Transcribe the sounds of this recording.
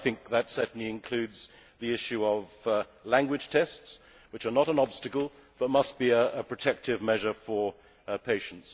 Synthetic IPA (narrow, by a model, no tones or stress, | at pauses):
θɪ̃ŋk̚ðɨtsɛtniɨ̃nkʰl̥ʉdz̥ | ðiɪʃʉʌvlæ̃ŋɡwɨd̥ʒ̥tʰɛsts | wɨt͡ʃə˞nəɾə̃nɑb̥stɨkəl̩ˠ | b̥ʌt̚mʌst̚b̥iɨːpʰɹ̥ɨtʰɛk̚tɨvmɛʒə˞fə˞ | pʰeɪʃn̩ts